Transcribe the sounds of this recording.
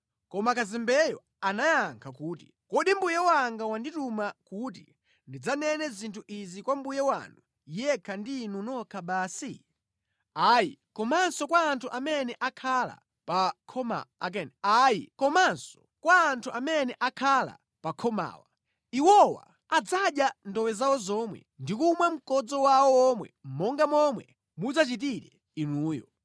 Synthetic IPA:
kɔmakazɛmbɛjɔ | anajaŋkʰakuːti̥ | kɔɗimbujɛwaŋɡawanditumakut̬ḭ | ndid͡zanɛnɛzintʰuʔizikwambujɛwa̰ndu | jɛkʰandinunɔkʰaɓaːsi | ajḭkɔmansɔkwaːntʰuʔamɛnɛʔakʰala̰ | pakʰɔma̰ak̬ɛnajḭkɔmansɔ̥ | kwaːntʰuʔamɛnɛʔakʰala̰ | pakʰɔma̰ːwa | iwɔwa̰ | ad͡zaɗjandɔwɛzawɔzɔmwɛ̰ndikumwam̩kɔd͡zɔwawɔɔmwɛ̰m̩mɔŋɡamɔmwɛ̰ | mud͡zat͡ʃit̬iɾɛ | inuːjɔ̰

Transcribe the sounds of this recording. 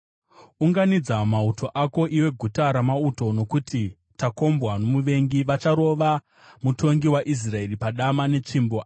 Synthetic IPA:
uŋɡanid͡zamautʰo̞ʔako̞ʔiwe̞ɡʱutaɾamauto̞no̞kuti | tako̞mbwano̞muʋe̞ŋɡiʋat͡ʃaɾo̞ʋa | mutʰo̞ŋɡiwaʔis̬rae̞ripaɗamane̞t͡ʂimbo

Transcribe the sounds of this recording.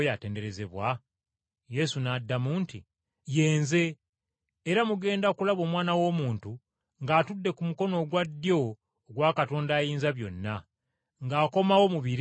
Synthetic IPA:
jate̞ːnde̞ɾe̞ze̞βwa | je̞sunadːamunti | je̞ːnze̞ː | ɾamuɡe̞ːndaokulaβo̞ːmwaːnawo̞ːmuːntu | ŋɡaːtudːe̞kumuko̞no̞ːɡwadjo̞ː | ɡwakato̞ːndaːjiːnzaβjo̞̰nːa | ŋɡaːko̞mawo̞muβiɾ

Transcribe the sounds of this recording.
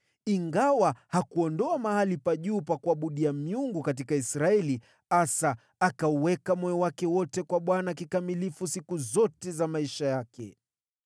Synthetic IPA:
iŋɡawahakuɔndɔamahalipaʄuːpakuaɓuɗiamiuŋɡukat̬ikaisɾaɛli | asaː | kauwɛkamɔjɔwakɛwɔtɛkwaɓwanakikamilifusikuzɔtɛzamaiʃajakɛ̰

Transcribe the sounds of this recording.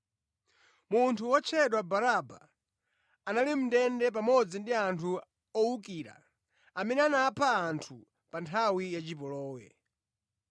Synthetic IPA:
muntʰuwɔt͡ʃʰɛɗwabaɾaba̰ː | nalim̩dɛndɛp̬amɔd͡zindiantʰu | ɔuk̬iːɾa̰ | amɛnɛanaːpʰaːntʰu | pantʰawijat͡ʃipɔlɔːwɛ̰

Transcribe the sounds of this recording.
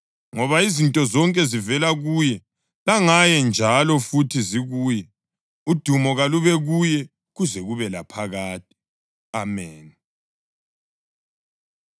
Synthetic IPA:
ŋɔβaizintʼɔzɔŋkʼɛzivɛlaɣujɛ | laŋajɛnd͡ʒʱalɔfutʰiziɣuːjɛ | ud̥ʱumɔɣaluβɛɣujɛ | ɣuzɛɣuβɛlapʰaɣaːt̚i̥ | amɛːn

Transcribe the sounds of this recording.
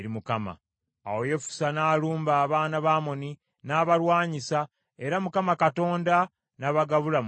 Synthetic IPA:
ɾimukama̰ | a̰woje̞fu̥sanaːluːmbaːβaːnaβaːmo̞ni | naːβaɾwaːɲisa | e̞ɾamukamakato̞ːnda | naβaɡaβulam

